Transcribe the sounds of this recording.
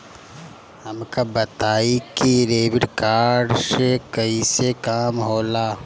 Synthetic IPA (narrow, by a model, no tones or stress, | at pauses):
hɐmkabɐt̪aːikiɾeːʋɪʈkaːɖsekɐisekaːmɦoːlaː